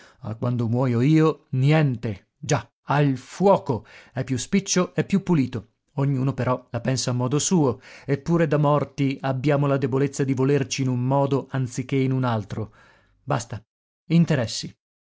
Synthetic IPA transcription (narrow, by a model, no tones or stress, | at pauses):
a̰kːwand̪omwɔːjoiːonjɛnt̪e | d͡ʒa | ailfwɔːkoɛpːjuspit͡ʃːoʔɛpːjupːuliːt̪o | oɲːuːnopeɾɔlapɛnsaːmːɔːd̪osuːoepːuːɾed̪amɔrt̪iabːjaːmolad̪ebolet̪sːad̪ivolert͡ʃiːnumːɔːd̪oʔant̪sik̟ːeinunalt̪ɾo | bast̪a | int̪eɾɛsːi